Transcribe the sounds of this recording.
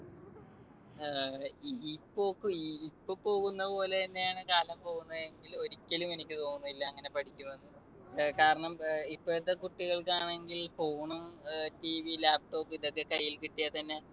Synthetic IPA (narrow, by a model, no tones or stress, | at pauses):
ipːo̞ːkːɨiipːopo̞ːɣunːɐpo̞ːle̞t̪ɐnːejaːɳɨkaːlɐmpo̞ːɣunːɐðe̞ŋɡilo̞ɾikʲːɐlume̞nikʲːɨt̪o̞ːnːuilːɐːŋːɐne̞pɐʈʰikʲːumʋɐnːu | kaːɾɐɳɐmipːojɐt̪ːekuʈːiɣɐɭkaːɳe̞ŋɡilfo̞ːɳumtiːʋilaːp̚ʈo̞ːpːiðo̞kːe̞kɐjːilkiʈːijɐt̪ɐnːe̞